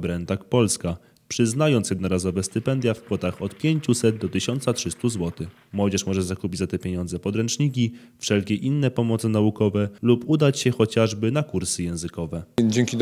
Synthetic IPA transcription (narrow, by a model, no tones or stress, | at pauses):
bɾɛnt̪akpɔlska | pʂɘznajɔnt̪sjɛd̪nɔɾazɔvɛst̪ɘpɛnd̪ʲjafkfɔt̪axɔt̪pʲjeɲt͡ɕusɛd̪̚d̪ɔt̪ɘɕɔnt̪satʂɘst̪uzwɔt̪ɘx | mwɔd͡ʑɛʂmɔʐɛzakupʲid͡ʑʲzat̪ɛpʲjeɲɔnd̪zɛpɔd̪ɾɛnt͡ʂɲik̬ʲifʂɛlkʲɛʔinːɛpɔmɔt̪sɘnaukɔvɛlupud̪at͡ɕɕɛxɔt͡ɕaʐbɘnakuɾsɘjɛ̃w̃zɘkɔvɛd͡ʑɛŋkʲid̪